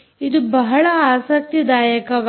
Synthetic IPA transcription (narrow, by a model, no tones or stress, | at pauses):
id̪ubɐɦɐɭɐaːsɐk̚t̪id̪aːjɐkɐʋ